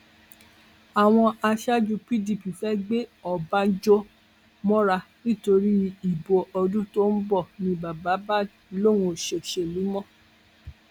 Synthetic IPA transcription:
a˨w̃ɔ̃˧a˧ʃa˦d͡ʒu˧pi˦di˨pi˨fɛ˦ɡ͡be˦ɔ˨ba˦n̩˦d͡ʒɔ˦ | mɔ̃˦ɾa˧ | nĩ˦˨to˧ɾi˦i˦˨bo˧ʔɔ˧dũ˦to˦n̩˦bɔ˦˨nĩ˧ba˨ba˨˦ba˦ | lo˦˨ɾũ˧˨ʃe˨ʃe˨lu˨˦mɔ̃˦˨

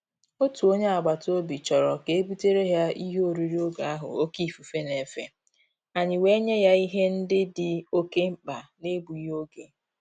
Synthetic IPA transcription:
o˦tu˨o˦ɲe˦a˨ɡ͡ba˨to˦bi˨t͡ʃɔ˨ɾɔ˨ke˨e˦bu˦te˦ɾe˦ɦja˦i˦ɦo˦ɾi˦ɾi˦o˦ɡa˨a˦ɦʊ̰˨o˦ki˦˨fu˨fe˦ne˨fḛ˨ | a˨ɲɪ˨we˦ɲe˦ja˦i˦ɦe˦n̩˦dɪ˦dɪ˨o˦ke˦m̩˦k͡pa˨ne˦bu˨i˦ɦo˦ɡḛ˨

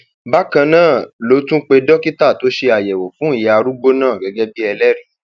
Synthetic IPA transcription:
ba˦kã˧nãː˦˨lo˨˦tũ˦k͡pe˧dɔ˦ki˦ta˦˨to˨˦ʃe˧a˨jɛ˨wo˨fũ˦i˦˨ja˨˧ɾu˦ɡ͡bo˦nãː˦˨ɡɛ˨˦ɡɛ˦bi˦ɛ˧lɛ˦ɾĩ˦˨

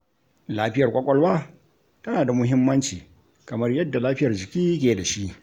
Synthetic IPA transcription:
laː˦ɸɪ˦jɐ˨rkʷʼɐ˦kʷʼɔ˦lwaː˦ | tɐ˦naː˨da˨mʊ˦ɦɪ˦mːɐ˦nt͡ʃiː˨ | kɐ˨mɐ˦rjɐ˦dːa˨laː˦ɸɪ˦jɐ˨rd͡ʒɪ˨kʲiː˦k̬ʲeː˨da˨ʃi˦ʔ

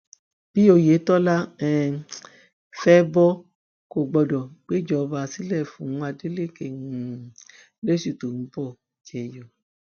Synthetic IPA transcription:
b̥i˦o˧je˨˦tɔ˦la˦ɛ˧ | fɛ˦bɔ˦ | ko˦˨ɡ͡bɔ˧˨dɔ˨k͡pe˦˨d͡ʒɔ˧˨˧ba˧˨si˦lɛ˦˨fũ˨˦a˧de˨˦le˦˨ke˦˨n̩˨ | le˦ʃi˦˨to˨ñ̩˨˦bɔ˦˨ | d͡ʒɛ˨jɔ˨

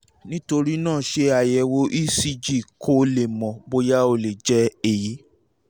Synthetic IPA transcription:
nĩ˦to˧ɾi˦nãː˦˨ʃe˧a˨jɛ˧wo˧ʔi˦si˧d͡ʒi˦˨kʰo˦le˨mɔ̃˨bo˧ja˦o˧le˨d͡ʒɛ˦e˨ji˨˦

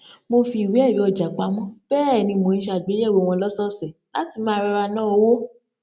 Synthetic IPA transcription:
mo˧fi˧˨wi˨˦ɛ˦˨ɾĩ˨˦ɔ˨d͡ʒa˨k͡pa˧mɔ̃˦b̥ɛː˦˨nĩ˧mo˨ĩ˦ʃa˧˨d͡ʒe˨˦˨wo˨˦˨w̃ɔ̃˧lɔ˦sɔ˦sɛ˨la˨˦ti˧˦mãː˦˧ɾa˧ɾa˧nãː˦o˧wo˦

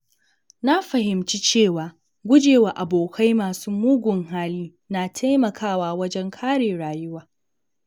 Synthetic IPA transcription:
na˦ɸɐ˨ɦɪ˨mt͡ʃi˦t͡ʃeː˦˨waː˨ | ɡʷʊ˦d͡ʒeː˨wa˨ʔa˨boː˨kʰa˦jmaː˨suː˦muː˦ɡʷʊ˨ŋɦaː˦liː˦ | naː˨tʰa˦jmɐ˨kʰaː˦˨waː˦wɐ˦d͡ʒɛ˦ŋkʰaː˦ɽeː˨ɽaː˨jʊ˦waː˨

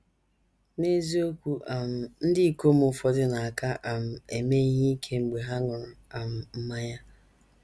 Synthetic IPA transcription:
ne˦zi˦o˦kʷu˦a˨m̩˨n̩˦dɪ˦i˦˨ko˦m̩˦ʊ˨fɔ˦dɪ˦na˨a˨ka˦ʔa˨m̩˨e˨me˦i˦ɦi˦kʰe˦ŋ͡m̩˨ɡ͡be˨ɦa˦ŋʊ˨ɾɔ˨a˨m̩˨m̩˦ma˦ɲa˦

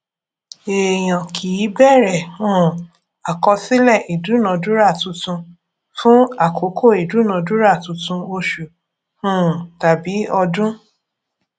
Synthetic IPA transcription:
e˨j̃ã˨kʰi˨˦bɛ˦˨ɾɛ˨ũ˦˨ | a˨kɔ˧si˦lɛ˦˨ʔi˨du˨˦nã˨˦du˦ɾa˦˨tũ˧tũ˧ | fũ˦a˨kʰo˨˦kʰo˦˨i˨du˨˦nã˨˦du˦ɾa˦˨tũ˨˧tũ˧o˧ʃu˨ | hũ˦˨ta˨bi˨˦ɔ˧dũ˦

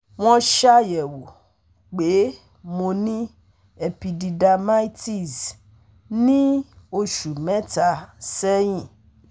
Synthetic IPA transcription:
w̃ɔ̃˧ʃa˦jɛ˨wo˨ | k͡pe˨˦ | mo˧nĩ˦ | e˧pi˧di˧da˧ma˦i˦ti˦˨z | nĩ˦o˧ʃu˨mɛ̃˨˦ta˧˨sɛ˦j̃ĩ˦˨

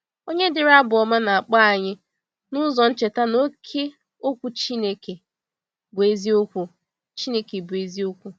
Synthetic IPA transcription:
o˦ɲe˦dɪ˨ɾa˦bʊ˨ɔ˨ma˦na˨a˨k͡pa˦a˨ɲɪ˦ | nʊ˦zɔ˨n̩˦t͡ʃe˨ta˦no˦kʰe˦ | o˦kʷu˦t͡ʃi˦ne˦ke˨ | bʊ˨e˦zi˦o˦kʷu˦ | t͡ʃi˦ne˦ke˨bʊ˨e˨zi˦o˦kʷu˦

